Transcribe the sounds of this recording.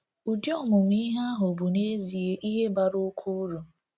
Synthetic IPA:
u˨di˦ɔ˦˨mʊ˨m̩˦i˦ɦa˦ɦʊ˨bu˨ne˦zi˨e˦ʔi˦ɦe˦ba˨ɾo˦kʰu˦ɾu˨

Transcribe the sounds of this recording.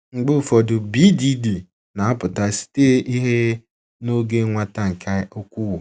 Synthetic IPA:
ŋ͡m̩˦ɡ͡bʊ˦˨fɔ˨dʊ˨bi˦di˦di˨ | na˨a˦pʊ˨ta˦si̥˨teː˦ʔi˦ɦe˦ | no˦ɡe˦ŋʷa˦ta˦ŋ̩˨kʰa˦o˦kʷu˦wʊ˨

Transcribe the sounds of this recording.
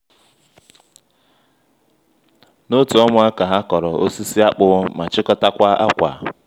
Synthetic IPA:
no˦tʊ˨ɔ˦mʊ˨a˦ka˨ɦa˦kɔ˨ɾɔ˨o˦si˦si˦a˦k͡pʊ˨˦ma˨t͡ʃɪ˦kɔ˦ta˦kʷa˦ʔa̰˦kʷa̰˨

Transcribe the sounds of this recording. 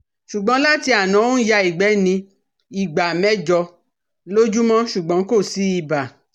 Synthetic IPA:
ʃu˨ɡ͡bɔ̃˨˦la˦ti˧a˨nã˨˦wo˦ja˧i˨ɡ͡bɛ˨˦nĩ˧ | i˨ɡ͡ba˨mɛ˦d͡ʒɔ˧ | lo˦d͡ʒu˦mɔ̃˦ʃu˨ɡ͡bɔ̃˨˦ko˦˨si˨˦i˦˨ba˨

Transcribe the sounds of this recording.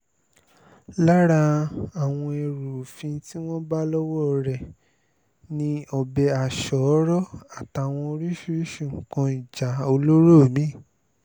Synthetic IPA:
la˦ɾa˧a˨w̃ɔ̃˧e˧˨ɾu˨fĩ˧ti˦w̃ɔ̃˦ba˦lɔ˦wɔ˦˧ɾɛ˨ | nĩ˧ɔ˨bɛ˧a˨ʃɔ˨˦ɾɔ˦a˦˨ta˧˨w̃ɔ̃˧o˧ɾi˦ʃu˦ɾi˦ʃũ˦˨ŋ̩˨kã˧i˨d͡ʒa˨o˧lo˦ɾo˦˨mĩ˦˨

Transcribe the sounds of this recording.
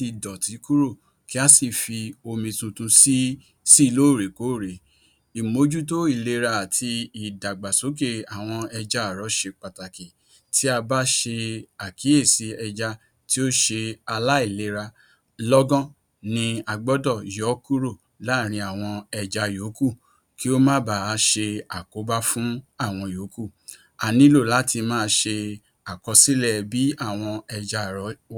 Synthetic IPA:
ti˧dɔ˨ti˨˦ku˦ɾo˦˨ | ki˦a˦si˦˨fi˧o˧mĩ˧tũ˧tũ˧si˦ | si˦˧˨lo˦˨ɾe˨ko˨˦˨ɾe˨ | i˨mo˨˦d͡ʒu˦t̬o˦i˦˨le˧ɾa˧a˨tʰi˧i˨da˨ɡ͡ba˨so˨˦k̬e˧a˨w̃ɔ̃˧ɛ˧d͡ʒa˦a˨ɾɔ˨˦ʃe˧k͡pa˨ta˨ki˨ | ti˦a˧ba˦ʃe˧a˨ki˨˦e˦˨si˨˦ɛ˧d͡ʒa˧ | ti˦o˦ʃe˧a˧la˦i˦˨le˨˦ɾa˧ | lɔ˦ɡɔ̃˦ | nĩ˧a˧ɡ͡bɔ˦dɔ˦˨jɔ˨˦ku˦ɾo˦˨ | la˦˨ɾ̃ĩ˧a˨w̃ɔ̃˧ɛ˧d͡ʒa˧jo˨˦ku˦˨ | ki˦o˦mã˦ba˨˦ʃe˧a˨ko˨˦ba˦fũ˦a˦˨w̃ɔ̃˧jo˨˦ku˦˨ | a˨nĩ˦lo˦˨la˨˦tʰi˧mãː˦˧ʃe˧ | a˨kɔ˧si˦lɛ˦˨bi˨˦a˦˨w̃ɔ̃˧ɛ˧d͡ʒa˧˨ɾɔ˨˦

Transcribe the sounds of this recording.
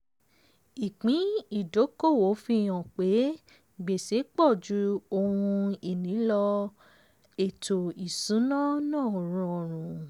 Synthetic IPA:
i˨k͡pĩ˨˦i˦˨do˨˦ko˦˨wo˨˦fĩ˧ɔ̃˨k͡pe˨˦ | ɡ͡be˨se˨˦k͡pɔ˦˨d͡ʒu˨˦o˧hũ˧i˨nĩ˨˦lɔ˧ | e˨tʰo˨i˨sũ˨˦nã˦nãː˦˨ɾ̃ũ˧˦o˨ɾ̃ũ˨

